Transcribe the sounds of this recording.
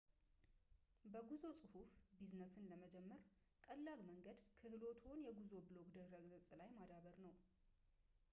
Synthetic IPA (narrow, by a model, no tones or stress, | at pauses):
bəɡuzo̞sʼɨhufbiznəsɨnləməd͡ʒɛmːəɾ | kʼəlːalməŋɡəd̪kʰɨhlo̞t̪ʰho̞njɛɡuzo̞bɨloɡd̪əɾəɡzʼɨsʼlajmad̪aβəɾnəw